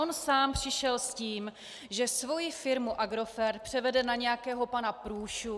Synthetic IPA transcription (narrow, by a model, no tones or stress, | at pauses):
onsaːmpr̥ɪʃɛlsciːm | ʒɛsvo̞jɪfɪɾmuʔaɡɾo̞fɛɾt̪̚pr̝̥ɛvɛdɛnaɲɛjakɛːɦo̞panapɾuːʃu